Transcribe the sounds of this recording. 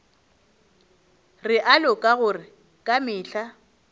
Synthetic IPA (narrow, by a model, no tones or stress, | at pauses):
rɪʔalɔkʼaɣʊrɪ | kʼamɪːɬa